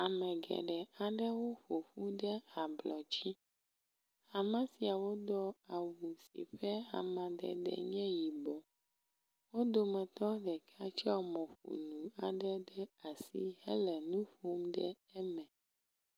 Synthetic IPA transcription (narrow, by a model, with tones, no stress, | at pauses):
a˨mɛ̃˨ɡɛ̰˨ɖɛ˨a˨ɖɛ˦wo˦ɸo˨fu˦ɖɛ˦a˨blɔ˨t͡ɕi˦ | a˨mã˦si˨a˨wo˦d̪ɔ˦a˨wu˨sḭ˨ɸɛ˦a̰˨mã˨ɖɛ̰˨ɖɛ̰˨ɲɛ̃˦ji˨bɔ˨ | wo˦d̪o˨mɛ̃˨t̪ɔ˦ɖɛ˨kʰa˦t͡ʃi˦a˦wmɔ̃˨ɸṵ˨nũ˨a˨ɖɛ˦ɖɛ˦a˨sḭ˦hɛ̰˦lɛ˨nũ˦ɸo˦mɖɛ˦ | ɛ˦mɛ̃˨